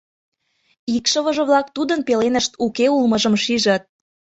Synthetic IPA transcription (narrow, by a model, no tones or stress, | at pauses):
ikʃə̆βə̆ʒɤ̆βlɑk̚t̪ud̪ənpelenəʃt̪ukeulmɤ̆ʒə̆mʃiʒə̆t̪̚